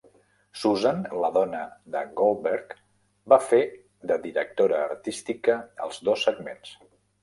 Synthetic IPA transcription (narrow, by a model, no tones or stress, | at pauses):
suzanləðɔnəðə̰ɣolˠbɛɾk | bafe | ðəðiɾək̚t̪oɾəːrt̪ist̪ikəə̰lˠzdosːəɡmens